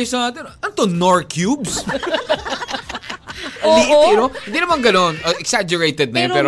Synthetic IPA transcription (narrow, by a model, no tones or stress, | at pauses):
sɐnaːt̪ɛnɐnt̪onoɹkʰjubs | od̪iʔoɪnohɪ̃nd̪inɐmɐnɡɐnonʔoʔɛksad͡ʒʊɹejt̪ɛd̪̚nɐjɐnpɛːɾ